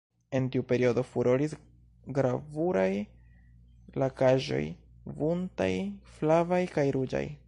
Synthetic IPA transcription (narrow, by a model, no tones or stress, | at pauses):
e̞ntiupe̞ɾio̞do̞fuɾoɾis | ɡɾavuɾaj | lakaʒo̞̰j | vunta̰jflavajkajɾud͡ʒa̰j